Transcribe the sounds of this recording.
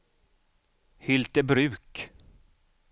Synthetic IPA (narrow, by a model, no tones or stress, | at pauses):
hʏlt̪əbɾʉ̟ːk